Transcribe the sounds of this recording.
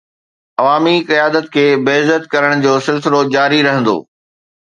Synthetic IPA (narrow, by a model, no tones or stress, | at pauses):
ɐʋaːmikɐjaːd̪ət̪kʰeːbɐːzət̪kɐɾəɽ̃d͡ʑoːsɪlsɪlod͡ʑaːɾiɾɐɦə̃nd̪o̰ː